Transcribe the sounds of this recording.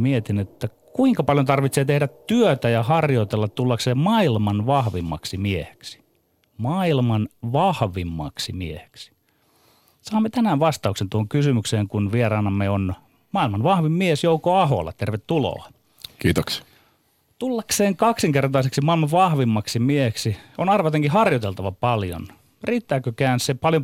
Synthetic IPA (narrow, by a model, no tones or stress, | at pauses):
miet̪inet̪ːækuiŋkɑpɑljont̪ɑrʋit̪seːt̪ehdæt̪t̪yøt̪æjɑhɑrjot̪elːɑt̪t̪ulːɑkseːmmɑilmɑnʋɑhʋimːɑ̰ksimiehe̥ksi̥ | mɑilmɑnʋɑhʋimːɑ̰ksimiehe̥ksi̥ | sɑːmːet̪ænæːʋʋɑst̪ɑuksent̪uhoŋkysymykseːŋkunʋierɑːnɑmːeon | mɑːilmɑnʋɑhʋimmiesjoukoɑho̰lːɑ̰t̪erʋet̪tulo̰ɑ | kiːt̪oks | t̪ulːɑkseːŋkɑksiŋkert̪ɑiseksimɑilmɑʋʋɑhʋimːɑksimieheksionɑrʋɑt̪eŋkihɑrjot̪elt̪ɑʋɑpɑljo̰n | riːt̪ːæːkøkæːnsepɑljo